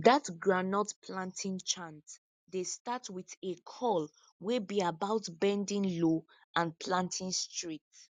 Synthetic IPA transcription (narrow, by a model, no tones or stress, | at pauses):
ðatɡɹanɔtpʰlãntʰĩnt͡ʃãnt | destatwiðekʰɔl | webiabaʊtbɛ̃ndĩŋlo | ãnpʰlãntʰĩnstɹit